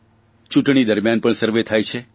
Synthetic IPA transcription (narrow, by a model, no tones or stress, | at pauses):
t͡ʃũʈɳ̃id̪əɾmjanpəɳsəɾʋet̪ʰajt͡ʃʰe